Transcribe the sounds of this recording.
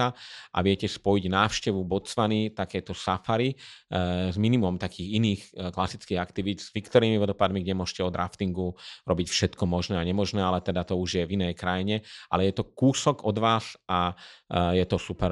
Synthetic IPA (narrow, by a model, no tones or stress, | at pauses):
aʔa̰ʋɪɛcɛspɔjiɟnaːwʊʃcɛʋubɔt͡sʋanit̪akɛjt̪ɔsafaɾi | zminimɔmt̪akʰiːɣiniːxklasit͡skiːɣakt̪iʋiːd̪z̥ʋikt̪ɔɾiːmiʋɔd̪ɔpad̪miɡɟɛmʊɔʒcɛɔd̪ɾa̰ft̪iŋɡuɾɔbicfʃɛt̪kɔmɔʒnɛːaɲɛmɔʒnɛːalɛt̪ɛd̪at̪ɔuʒjɛvinɛjkɾajiɲɛʔa̰lɛjɛt̪ɔkuːsɔɡɔd̪ʋaːsa | jɛt̪ɔsupɛɾ